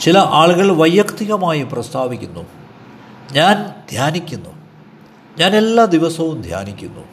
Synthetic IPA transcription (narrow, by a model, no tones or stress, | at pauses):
t͡ɕilɐʔaːɭɣɐɭʋɐjːɐkt̪iɣɐmaːjiprɐst̪ʰaːʋikʲːunːṵ | ɲaːnd̪̥ʱjaːnikʲːunːu | ɲaːne̞lːad̪iʋɐsɐʋumd̪ʱja̰ːnikʲːṵnːṵ